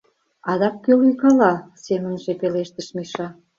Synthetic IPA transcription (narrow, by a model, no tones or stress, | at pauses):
ɑd̪ɑkːølikɑlɑsemənʒepeleʃt̪ə̆ʃmiʃɑ